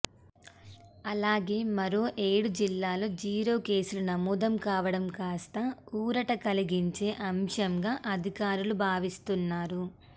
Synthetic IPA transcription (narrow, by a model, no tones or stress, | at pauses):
ɐlaːɡe̞ːmɐɾo̞ːʔe̞ːɽud͡ʒilːaːloːd͡ʒiːɾo̞ːke̞ːsulunɐmuːd̪ɐmkaːʋɐɽɐmkaːst̪ɐuːɾɐʈɐkɐliɡiɲt͡ʃe̞ːʔɐmʃɐmɡaːʔɐd̪ʱikaːɾulubʱaːʋist̪unːaːɾu